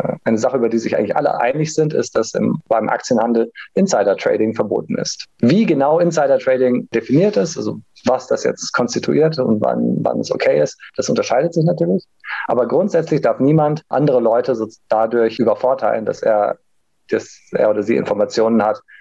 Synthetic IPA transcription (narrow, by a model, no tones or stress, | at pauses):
ʔaɪnəzaχəʔyːbɐdiːzɪçʔaɪŋ̩lɪçʔa̰lə̰ʔa̰ɪnɪçz̥ɪntɪ̰st̚d̥asɪ̰mb̥aɪmʔa̰k̚t͡sjənhandl̩ʔɪnsaɪɾɐtʁ̥ḛɪɾɪŋfɛɐbo̰ːtn̩ɪ̰stviːɡənaʊʔɪnsaɪɾɐtʁ̥eɪdɪŋd̥efiniːɐtɛsʔalzo | vasd̥asjɛ̰t͡stkʰɔnstitʰuʔiːɐtʊ̰ntva̰nva̰nɛ̰so̰kʰeɪɪstd̥asʊntɐʃaɪdətz̥ɪç̬natʰyːɐlɪç | ʔa̰ːbɐɡʁʊntz̥ɛt͡slɪçd̥aɐfniːmantʔa̰ndəʁ̞əlɔʏtəzod̥adʊɐçʔyːbɐfɔɐtʰaɪlənda̰sḛːɐ | d̥asʔḛːɐoːɾɐzḭːʔɪ̰nfɔɐmat͡sjoːnənhat